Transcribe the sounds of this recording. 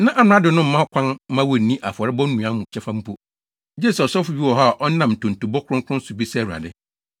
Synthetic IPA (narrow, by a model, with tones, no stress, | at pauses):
nã˦ʔa˨nʊ̃˨˦a˦dɪ˨nʊ̃˦m̩˦ã˦kʷʰã˦n˦mã˦wɔ˨nĩ˦ʔa˨fɔ˨ɾɪ˦bɔ˦n˦nũ˨ã˦mʊ̃˨t͡ɕʰɛ˦fã˦m̩˦pʰu˦ | d͡ʑe˦˨sɔ˨sɔ˦fʊ˨bi˦wɔ˨ɦa˦˨ʔɔ˦n˦nã˨mn̩˨tʰʊ̃˨n̩˨tu˨bɔ˦kʰʊ˦ɾʊ̃˦ŋkʰʊ˦ʊ̃˦n̩˦sʊ˨bi˦sɛ˦˨u˨a̰˨dɪ˦